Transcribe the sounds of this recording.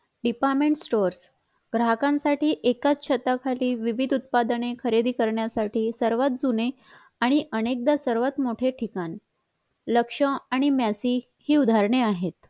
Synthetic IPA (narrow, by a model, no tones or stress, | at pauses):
ɖipaɾmeɳʈsʈoɾs | ɡɾaɦkãnsaʈiːʔekat͡st͡ɕʰət̪akʰaliːʋiʋid̪ʱut̪̚pad̪ənekʰəɾed̪iːkəɾɳjasaʈʰiːsəɾʋat̪̚d͡zune | aɽ̃iʔənek̚d̪asəɾʋat̪moʈʰeʈʰikan | ləkʂəaɽ̃imjasiː | hiːud̪ʱaɾɳeaɦet̪